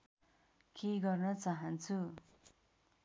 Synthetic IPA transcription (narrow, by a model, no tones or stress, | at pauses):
keɡʌrnʌt͡saɦʌnt͡sʰu